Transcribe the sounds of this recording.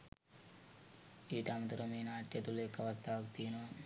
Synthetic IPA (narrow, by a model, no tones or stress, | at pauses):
iːʈamt̪ɾɐmiːnaːʈːet̪ulekːɐʋɐst̪aːɐkt̪iːno